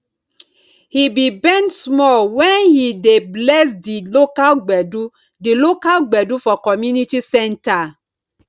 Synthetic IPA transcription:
hibibɛ̃ntsmɔlwɛ̃nhideblɛsdilokalɡ͡bɛdu | dilokalɡ͡bɛdufɔkɔmjunitisɛ̃nta

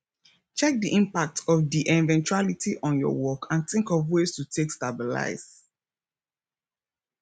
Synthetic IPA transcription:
t͡ʃɛk̚diʔĩmpak̚tʰɔfdiʔɛ̃nvɛ̃nt͡ʃualitʰiʔɔ̃njɔ̰wɔkʰãnθĩŋkɔvwestutʰekstabila̰ɪz

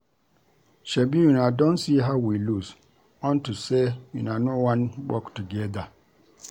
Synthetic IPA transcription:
ʃɛbijũnadɔ̃nsiɦaʊwilus | ɔ̃ntusejunanowãnwɔktuɡɛda

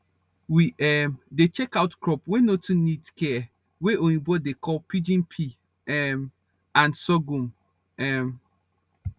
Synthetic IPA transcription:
wiʔɛmdet͡ʃɛkaʊtkʰɹɔpwenotʰũnĩtkʰɛ | weʔõjĩbɔdekʰɔlpʰid͡ʒĩnpʰi | ɛm | ãnsɔɡũm | ɛm

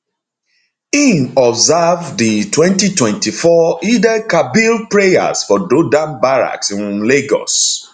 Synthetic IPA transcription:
ĩnɔbzavditwɛ̃ntitwɛ̃ntifɔidɛkabilpɹeja̰sfɔdodãnbaɹa̰ksĩnleɡɔ̰s

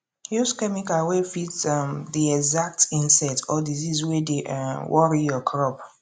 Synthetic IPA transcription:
juskɛmikawefitamdiɛɡzak̚tĩnsɛtɔdiziswedeʔwʔɔɹijɔkʰɹɔp

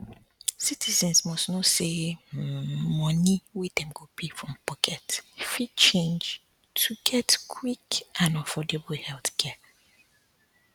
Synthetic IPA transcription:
sitʰizɛ̃nsmɔstnose | mɔniwidɛ̃mɡopʰefɹɔ̃mpʰɔkʰɛtifit͡ʃẽnd͡ʒ | tʰuɡɛtkʰwikʔãnafɔdeblhɛlθkʰɛ

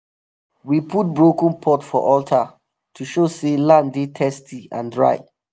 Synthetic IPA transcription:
wipʰut̚bɹokə̃npʰɔtfɔ̰ʔɔltʰa | tʰuʃoselãndetʰɛstʰiã̰ndɹa̰ɪ

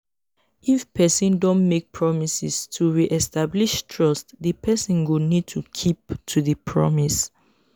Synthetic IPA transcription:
ʔifpʰɛsɔ̃ndɔ̃nmek̚pʰɹɔmisistʰuɹiʔɛstabliʃtʰɹɔstðəpʰɛsɔ̃nɡunid̚tʰukʰiptʰuðəpʰɹɔ̰mis

